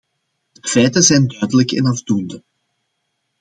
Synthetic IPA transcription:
d̥əfɛjtəzɛjndœɥdələkɛ̰nɑvdundə

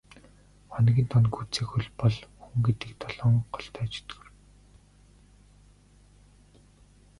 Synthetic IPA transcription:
χɔnɣʲiːnt̪ʰɔnɡu̥t͡siːkxuɮpɔɮxuŋɡet̪ɘ̆k̚t̪ɔɮɔːŋɢɔɬt̪ʰæːt͡ɕɵ̥t̪ɡɵ̥̆r

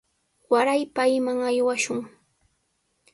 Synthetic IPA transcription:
waɾajpajmaŋajwaʃʊŋ

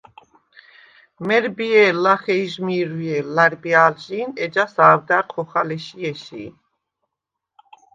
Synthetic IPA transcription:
mɛɾbiɛlaχɛiʒmiɾiɛlaɾbiaːlʒiːnɛd͡ʒasaːvd̪aqʰɔχalɛʃiɛʃḭː

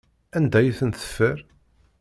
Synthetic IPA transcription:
ænd̪æjiθənθə̥fːəɾ

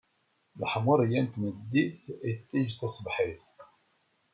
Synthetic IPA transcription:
lə̰ħmʊɾˤjænt̪məd̪ːiθit̪ːiʒt̪ɑsˤbħiθ

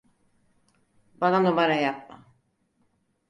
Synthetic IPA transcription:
bananomaɾajap̚ma̰

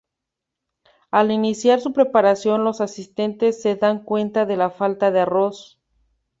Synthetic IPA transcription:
alinisjaɾsupɾe̞paɾasjo̞nlo̞sasist̪e̞nt̪esːe̞ðaŋkwe̞nt̪aðe̞lafalt̪aðearo̞s

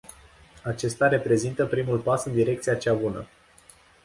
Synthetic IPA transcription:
at͡ʃe̞st̪aɾe̞pɾe̞zint̪əpɾimulpasɨnd̪iɾe̞k̚t̪siat͡ʃabunə̰

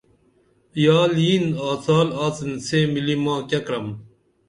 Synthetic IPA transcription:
jaːljinaːt͡saːlaːt͡sinsemilimãːkɐkɾɐm

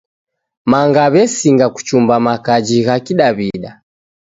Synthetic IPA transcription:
maŋɡaβɛsiŋɡaku̥t͡ʃumbamakad͡ʒiɣakiɗaβiɗa

